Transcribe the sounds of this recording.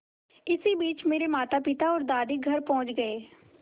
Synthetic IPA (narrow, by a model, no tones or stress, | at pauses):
ɪsiːbiːt͡ʃmeːɾemaːt̪aːpɪt̪aːɔːɾd̪aːd̪iːɡʱəɾpɔ̃ːt͡ʃɡəeː